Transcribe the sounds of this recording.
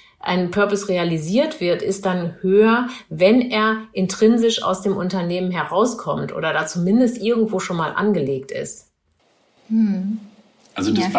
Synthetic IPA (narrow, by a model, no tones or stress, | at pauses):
ʔa̰ɪnpʰœɐpɔsʁealiziːɐtv̥ɪɐtɪst̚d̥anhøːɐvɛneːɐʔɪntʁ̥ɪnzɪʃa̰ʊsd̥eːmʔʊntɐneːmənɦɛɐʁaʊskʰɔmtʔo̰ːdɐdaːt͡sumɪndəstʔɪɐɡŋ̩tv̥oːʃoːnmaːlʔa̰nɡəleːk̚tɪ̰st | ʔazo